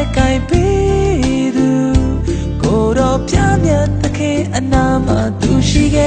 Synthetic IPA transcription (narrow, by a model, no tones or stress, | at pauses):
kãɪ̃pe | d̪u | koɾɔpjamjat̪ːəkʰɪ̃ʔənam̥at̪uʃiɡɛ